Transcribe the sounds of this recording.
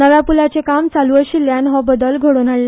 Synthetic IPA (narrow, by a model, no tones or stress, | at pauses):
nəʋjapulat͡sekamt͡saluəɕiljanɦɔbəd̪əlɡʱoɽonaɭl